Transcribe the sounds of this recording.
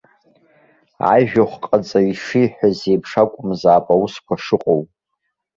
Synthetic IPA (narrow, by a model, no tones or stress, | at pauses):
a̰jʒᶣaχʷqʼat͡sʼaiʂijħʷᶣazeːpʰʂakʷʼʊmzaːpʼawuskʷʰaʂɨqʼowpʼ